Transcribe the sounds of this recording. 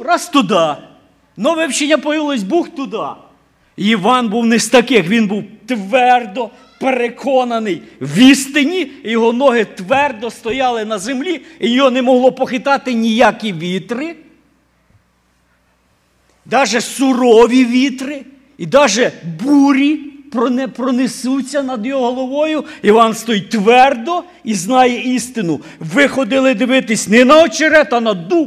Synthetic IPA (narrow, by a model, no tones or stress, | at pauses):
rɑst̪ʊd̪ɑ | nɔʋɪwt͡ʃɪnʲːɐpɔjɪlˠɔsʲbuxt̪ʊd̪ɑ | jiʋɑnbuwnɪst̪ɐkɪxʋʲinbuwt̪ʋɛrd̪ɔ | peɾekʰɔnɐnɪjʋʲist̪ɪnʲijɔɦɔnɔɦɪt̪ʋɛrd̪ɔst̪ɔjɑlˠɪnɐzemlʲiijɔɦɔnɛmɔɦlˠɔpɔxɪt̪ɑt̪ɪnʲijakʲiʋʲit̪ɾɪ | d̪ɑʒɛsʊɾɔʋʲiʋʲit̪ɾɪ | id̪ɑʒɛbuɾʲipɾɔnɛpɾɔnesut͡sʲːɐnɐd̪jɔɦɔɦɔlˠɔʋɔjʊiʋɑnst̪ɔjit̪ʋɛrd̪ɔ | iznɑjɛist̪ɪnʊ | ʋɪxɔd̪ɪlˠɪd̪ɪʋɪt̪ɪsʲnɛnɐɔt͡ʃeɾɛt̪ɐnɐd̪u